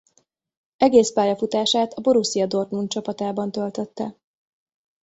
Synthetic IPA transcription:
ɛɡeːspaːjɒfut̪aːʃaːt̪ɒbo̞ɾusijɒd̪o̞rt̪nunt͡ʃɒpɒt̪aːbɒnt̪ø̞lt̪ø̞t̪ːɛ̰

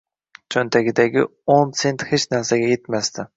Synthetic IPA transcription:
t͡ʃʰɵnt̪ʰæɡʲid̪æɡʲionsent̪het͡ʃnæɾsæɡʲɛjet̪mɛst̪ɪ

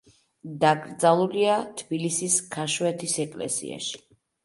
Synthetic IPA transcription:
d̪aɡʼɾd̪zalˠuliat̪ʰbilisiskʰaʃwɛt̪ʰisɛkʼlɛ̰sḭa̰ʃi̥

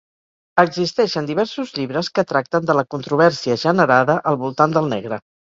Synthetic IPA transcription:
əɡzist̪ɛʃənd̪iβ̞ɛɾsuzʎiβɾəskət̪ɾak̚t̪ənd̪ələkunt̪ɾuβ̞ɛɾsiəʒənəɾaðəʔəlˠβulˠt̪and̪əlˠnɛ̰ɣɾə

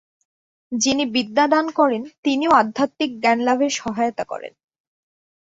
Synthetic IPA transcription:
d͡ʑinibid̪ːad̪ankɔɾent̪inioad̪ʱːat̪ːik̚ɡɛnlabʱeɾʃɔɦajot̪akɔ̰ɾḛn

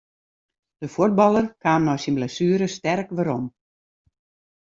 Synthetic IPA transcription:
d̥əfut̚bɑlˠərkaːmnɔjsinblɛsyːɾəstɛrkʋəɾɔm

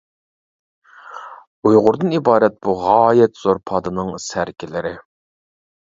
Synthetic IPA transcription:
ujʁʊɾd̪ɨnibɑːɾɛt̪̚b̥uʁɑːjɛt̪z̥oɾpʰɑd̪ɨnɨŋsæɾkʲʰɪlɪɾɪ

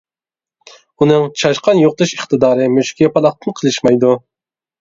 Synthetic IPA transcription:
unɨŋt͡ʃʰɑʃqʰɑnjoq̚t̪ʰɨʃɨχt̪ʰɨd̪ɑːɾɨmøʃkʲiɛpɑlˠɑχ̚t̪ʰɨnqʰəlˠɨʃmɑjd̪u

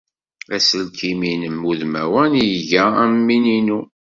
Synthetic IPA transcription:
æsəlkiminəmːuðmæwænijʝææmːininu

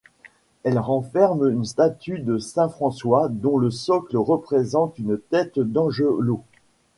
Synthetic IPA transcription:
ɛlʁɑ̃fɛʁmynst̪at̪yd̪əsɛ̃fχɑ̃swad̪ɔ̃ləsɔkləʁəpχezɑ̃t̪ynt̪ɛt̪d̪ɑ̃ʒølo

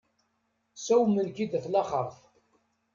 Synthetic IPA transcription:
sæwmənkid̪θlɑχəɾˤθ

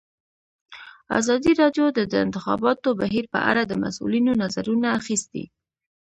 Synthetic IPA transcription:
a̰zɑd̪iɾɑdjod̪əd̪əɪ̰nt̪ɪxɑ̰bɑt̪obaɦiɾpə̰ʔa̰ɽad̪əma̰sṵlinonazaɾunaːxist̪ḭ

